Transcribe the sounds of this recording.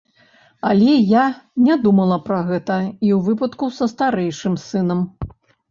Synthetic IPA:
ɐlʲɛjanʲad̪umɐlˠɐpɾɐɣɛt̪ɐiwvɨpɐt̪kusɐst̪aɾɛjʂɨmsɨnɐm

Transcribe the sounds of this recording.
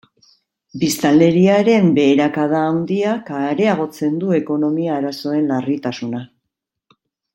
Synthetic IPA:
bist̪ale̞ɾiaɾe̞mbe̞ːɾakað̞aːwnd̪iakaɾe̞aɣ̞o̞t͡se̞nd̪ue̞ko̞no̞miaːɾaso̞e̞nlarit̪asuna

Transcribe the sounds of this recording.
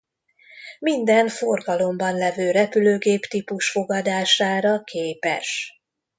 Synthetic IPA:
mind̪ɛɱfo̞rɡɒlo̞mbɒnlɛvøːɾɛpyløːɡeːpt̪ipuʃfo̞ɡɒd̪aːʃaːɾɒkʰeːpɛ̰ʃ

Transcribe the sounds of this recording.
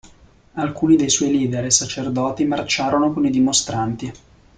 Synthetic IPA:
alkuːnid̪ejswɔjliːd̪eɾesat͡ʃerd̪ɔːt̪imart͡ʃaːɾonokonid̪imost̪ɾant̪i

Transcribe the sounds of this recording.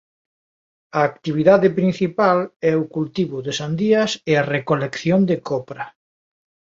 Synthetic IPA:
ɐːkt̪iβ̞iðaðɪpɾin̟θipalɛʊkult̪iβʊðesand̪iɐsearekolekθjond̪ekʰɔpɾɐ

